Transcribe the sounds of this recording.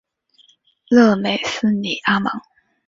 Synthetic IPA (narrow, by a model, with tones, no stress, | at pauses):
lɤ˥˩me˨˩ɪs̩˥ni˨˩ʔa˥mɑ˧˥ŋ